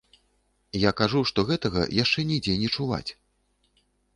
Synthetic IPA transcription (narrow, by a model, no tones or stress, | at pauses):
jakaʐuʂt̪ɔɣɛt̪ɐɣɐ̰jaʂt͡ʂɛnʲijd͡zʲɛnʲɛt͡ʂuva̰t͡sʲ